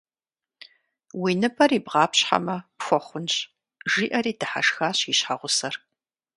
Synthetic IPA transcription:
wiːnɨpʰɐɾiːbʁɑːpɕħa̰mɐpxʷɔχʷʊnɕ | ʒiːʔɐriːdɨħa̰ʂxaːɕiɕħaʁʷʊsɐr

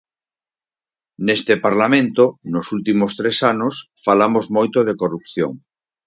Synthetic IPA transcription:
nest̪epaɾlamẽnt̪onosult̪imost̪ɾesanos | falamozmojt̪oðekorupθjo̰ŋ

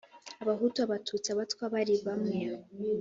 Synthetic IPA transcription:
aβaɦutuaβatʰut͡siaβatwaβaɾiβamŋe

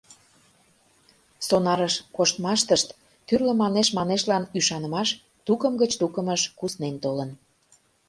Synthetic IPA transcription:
sonɑɾəʃkoʃt̪mɑʃt̪əʃt̪ | kyrlə̆mɑneʃmɑneʃlɑnyʃɑnə̆mɑʃ | t̪ukəmɡət͡ɕt̪ukəməʃkusnent̪olən

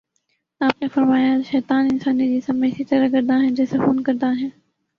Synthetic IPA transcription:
aːpnefɐɾmaːjaʃɛːt̪aːnɪnsaːnid͡ʑiːsɐmeɪsit̪əɾəkɐɾd̪aɦɛ̃d͡ʒeːsefuːnkɐɾd̪aɦɛ̃ː

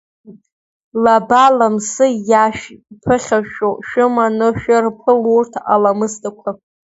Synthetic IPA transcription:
labalamsɨjaʃᶣpʰɨχʲaʃoʃᶣʊmanɨʃᶣɪrpʰɨlurtʰa̰lamɨstʼakʷʰa

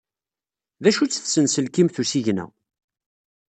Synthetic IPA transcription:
ðæʃut͡sːθsənsəlkimθusiʝnæ̰

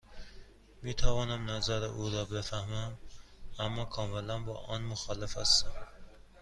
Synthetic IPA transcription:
miːt̪ʰævɒːnæmnæzæɾɪ̰ʔuːɾɒːbefæhmæmæmːɒːkʰɒːmelænbɒ̰ːʔɒnmoxɒːlefhæ̰st̪æm

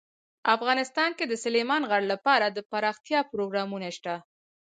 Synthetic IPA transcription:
afɣɑnɪst̪ɑnked̪əsʊlemɑnɣaɽlapɑɾad̪əpaɾɑxt̪jɑpɾoɡɾɑmunaʃt̪a

